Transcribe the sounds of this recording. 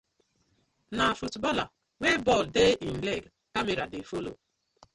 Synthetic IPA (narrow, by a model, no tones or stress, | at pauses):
nafutbɔla̰ | webɔldeʔin̩leɡ | kameɾa̰defolo̰